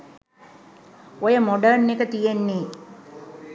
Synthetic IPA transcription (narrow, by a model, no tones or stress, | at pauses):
ojəmoɖənːekət̪ijenːeː